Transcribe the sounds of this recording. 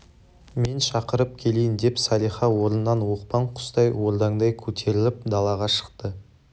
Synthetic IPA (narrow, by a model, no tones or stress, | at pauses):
me̞nʃɑqəɾəp̚kʲʰe̞lejɪnd̪e̞psɑlʲˠijχɑwo̞ɾnənːɑnwo̞qpɑɴqʰʊ̥st̪ɑjwold̪ɑŋd̪ɑjkʲʰɵt̪ʰe̞ɾɪlɪpd̪ɑlˠɑʁɑʃə̥qt̪ə